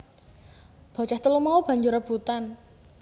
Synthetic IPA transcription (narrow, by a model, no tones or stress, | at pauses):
b̥ɔ̤t͡ʃaht̪əlumaub̥ä̤ɲd͡ʒʊɾəb̥ut̪an